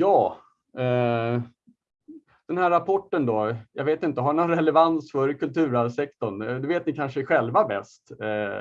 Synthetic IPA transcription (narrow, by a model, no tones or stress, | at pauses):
jɑː | ɛ | d̪̥ɛnhæɾːapʰɔʈːənd̪ɔjɑɡveːt̪ɪnt̪əɦanɔnɾɛlɛvansfœɾkʰɵlt̪ʰʉ̟ːɾalsɛk̚t̪ɔɳd̪ɵveːt̪̚nɪkʰanʂəɧɛlvabɛ̰st̪